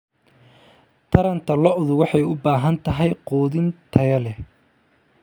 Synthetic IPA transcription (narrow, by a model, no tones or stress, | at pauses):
t̪ʰɐɾɐnt̪ʰɐlɔʔʊðʊwɑħɑjʊbaːɦɐnt̪ʰɐɦɛjqɔːðɪnt̪ʰɐjɐlɛ